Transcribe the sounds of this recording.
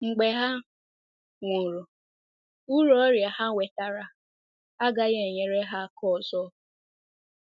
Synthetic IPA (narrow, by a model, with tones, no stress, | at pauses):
ŋ͡m̩˨ɡ͡be˨ɦa˦ | ŋʷo˨ɾo˨ | u˦ɾɔ˨˦ɾja˨ha˦ŋʷe˨ta˨ɾa˦ | a˦ɡa˦ɣe˨ɲe˦ɾe˦ɦa˦kʰɔ˦˨zɔ˦